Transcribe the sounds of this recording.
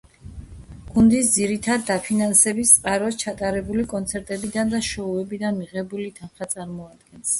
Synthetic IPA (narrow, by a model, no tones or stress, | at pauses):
ɡ̥und̪isd̪ziɾit̪ʰad̪ːapʰinansɛbist̪sʼqʼaɾɔst͡ʃʰat̪ʼaɾɛbulikʼɔnt̪sʰɛɾt̪ʼɛbid̪and̪aʃɔuɛbid̪anmiʁɛbulit̪ʰanχat̪sʼaɾmɔad̪ɡɛns